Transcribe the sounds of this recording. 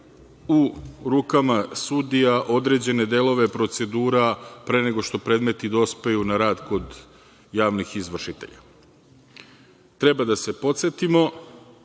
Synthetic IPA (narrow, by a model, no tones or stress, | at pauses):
uɾuːkamasud̪ijaʔo̞d̪ɾe̞d͡ʑe̞ne̞d̪e̞lo̞ʋepɾo̞t̪se̞d̪uːɾapɾe̞ːne̞ɡo̞ʃt̪o̞pɾe̞ːd̪me̞t̪id̪o̞spe̞junaɾaːd̪ko̞d̪ | jaːʋnixizʋr̩ʃit̪e̞̰ʎa̰ | t̪ɾe̞bad̪ase̞po̞t̪se̞t̪imo̞